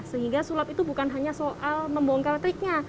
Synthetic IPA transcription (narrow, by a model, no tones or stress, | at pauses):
səɦiŋɡasulapit̪ubukanɦaɲasoʔalməmbɔɔŋkalat̪ɾɪk̚ɲa